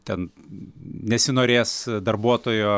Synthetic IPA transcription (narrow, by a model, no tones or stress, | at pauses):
t̪ʲɛn | nʲɛsʲɪnoːɾʲeːsd̪ɐrbuɔt̪oːjoː